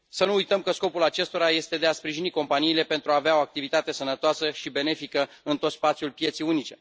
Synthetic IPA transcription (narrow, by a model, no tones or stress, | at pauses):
sənuujt̪əmkəsko̞pulat͡ʃe̞st̪o̞ɾaje̞st̪e̞d̪e̞aspɾiʒiniko̞mpaniːle̞pe̞nt̪ɾuaːveao̞ak̚t̪ivit̪at̪e̞sənət̪oasəʃibe̞ne̞fikə | ɨnt̪o̞t̪spat̪sjulpje̞t̪sijunit͡ʃe̞